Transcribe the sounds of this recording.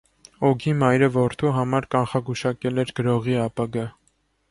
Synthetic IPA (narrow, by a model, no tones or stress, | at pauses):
ɔɡimɑjɾəvɔɾt̪ʰuɦɑmɑɾkɑnχɑɡuʃɑkɛlɛɾɡəɾɔʁiɑpɑɡɑ